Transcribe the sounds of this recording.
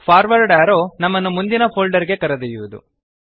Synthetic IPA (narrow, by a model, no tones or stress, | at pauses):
pʰaːɾʋɐɾɖaːɾoːnɐmːɐnːumund̪inɐpʰoːlɖɐɾiɡe̞kɐɾɐd̪ɐjuʋud̪ṵ